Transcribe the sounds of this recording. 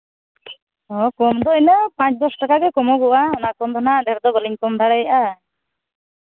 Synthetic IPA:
ɔkɔmd̪ɔinəpãt͡ʃd̪ɔsʈakaɡɛkɔmɔɡɔʔaɔnakɔmd̪ʱɔnaʔd̪ɛɾd̪ɔbɔliɲkɔmd̪ʱaɽajʔa

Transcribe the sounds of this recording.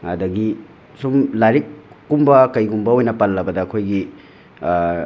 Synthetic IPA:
ɐdɐɡi | sumlaɾikːumbɐkɐjɡumbɐojnɐpalːɐbɐdɐːkʰojɡi

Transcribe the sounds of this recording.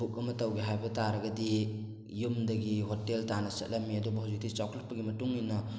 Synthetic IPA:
uk̚ɐmɐtɐwɡiɦajbɐtaɾɐɡɐdi | jumdɐɡiɦoteltanɐsɐ̰t̚lɐmːiɐdubɐhud͡ʒuk̚dit͡ʃawkʰl̚pɐɡimɐtuŋijnɐ

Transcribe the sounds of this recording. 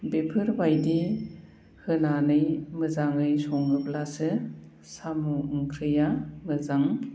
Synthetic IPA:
bepʰɯɾbajdi | hɯnanɯjmɯzaŋɯjsɔŋɯblasɯ | samuɯŋkʰɾɯjamɯzaŋ

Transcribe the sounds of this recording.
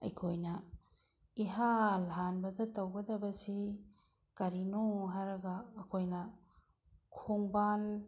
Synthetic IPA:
ɐ̰jkʰojnɐ | iɦalɦanbɐdɐtɐwɡɐdɐbɐsi | kɐɾinoɦaɾɐɡɐːkʰojnɐ | kʰoŋbal

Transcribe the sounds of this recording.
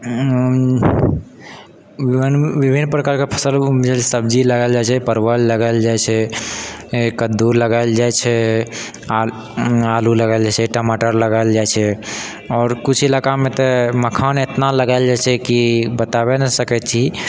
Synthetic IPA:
nʋibʱinːpɾəkaɾkepʰə̥səld͡ʒalʰɛsəb̚d͡ʒiləɡəld͡ʒajt͡ʃʰɛpəɾbəlləɡəɪld͡ʒajt͡ʃʰɛ | kəd̪uɾləɡaɪld͡ʒajt͡ʃʰɛ | a | aluləɡald͡ʒajt͡ʃʰɛʈəmaʈəɾləɡald͡ʒajt͡ʃʰɛ | ɔːɾkut͡ʃʰilakamet̪ɔməkʰanet̪naləɡaɪld͡ʒajt͡ʃʰɛkibət̪abenəsəkɛt̪t͡ʃʰi

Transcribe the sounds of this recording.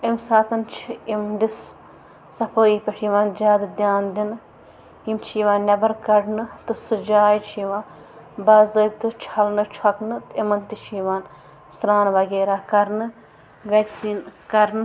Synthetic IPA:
imsaːt̪ɐnt͡ʃʰiimd̪is | sɐpʰoːiːpʲɐʈʰiːʋãːnd͡ʒʲaːd̪ɨd̪jaːnd̪in | imt͡ʃʰiːʋãːnnʲɐbɐɾkɐɽnɨt̪ɨsɨd͡ʒaːjt͡ʃʰiʋãː | bɐzɐt̪ɨt͡ʃʰɐlnɨt͡ʃʰɐknɨt̪ɨimɐnt̪it͡ʃʰiʋaːn | sɾaːnʋɐɡeːɾaːkɐɾnɨ | ʋʲeːksiːnkɐɾnɨ

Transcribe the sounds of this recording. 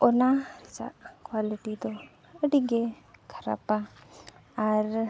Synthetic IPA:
ɔnaɾit͡ʃa̰ʔkwaliʈid̪ɔ | əɖiɡɛ | kʰəɾa̰pa | aɾ

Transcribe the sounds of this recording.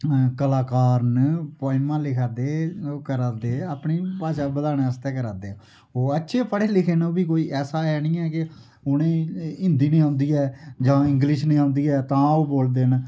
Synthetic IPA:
kəlaːkaːɾnəpɔːɪmãːlɪkʰaːd̪eːokəɾaːd̪eːaːpniːpaːʃaːbəd̪aːñeːəst̪eːk̬əɾaːd̪eː | oːətːʃʰeːpʰəɽeːlɪkʰeːnoːbiːk̬oːiːʔɛːsaːɛːnĩːɛːkɪ | ʊnẽːɪ̃nd̪iːnẽːãːnd̪iːɛːd͡ʒãːɪ̃ŋɡlɪʃnẽːãʊ̃ːnd̪iːɛːt̪ãːoːboːld̪eːn

